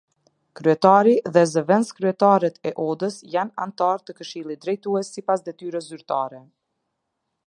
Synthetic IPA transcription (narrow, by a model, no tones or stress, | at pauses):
kɾyɛt̪aɾiðɛzəvɛnskɾyɛt̪aɾɛt̪ɛʔɔd̪əsjana̰nt̪aɾt̪əkəʃilˠit̪̚d̪ɾɛjt̪uɛsːipasd̪ɛt̪yɾəszyɾt̪aɾɛ